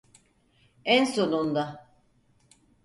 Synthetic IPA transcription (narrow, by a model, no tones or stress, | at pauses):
ænsonund̪a